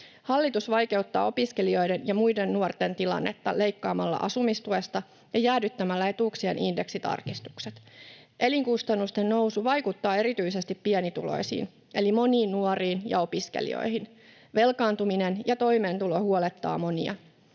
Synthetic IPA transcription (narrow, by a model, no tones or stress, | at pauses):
hɑlːit̪usʋɑjke̞wt̪ːɑ̰ːo̞piske̞lio̞jde̞njɑmujde̞nːuort̪e̞nt̪ilɑ̰nːe̞t̪ːɑle̞jkːɑːmɑlːɑ̰ʔɑsumist̪ue̞st̪ɑ | jɑjæːdyt̪ːæmælːæe̞t̪uksienʔinde̞ksit̪ɑ̰rkist̪u̥kset̪ | ʔe̞liŋkust̪ɑnːust̪e̞nno̞wsuʋɑjkut̪ːɑːe̞ɾit̪yise̞st̪ipːienit̪ṵlo̞̰isḭːn | ʔe̞limo̞niːnːuoriːnjɑ̰o̞piskḛlḭo̰jɦin | ʋe̞lkɑːnt̪uminenjɑt̪o̞jme̞ːnt̪ulo̞huole̞t̪ːɑ̰ːmo̞niɑ̰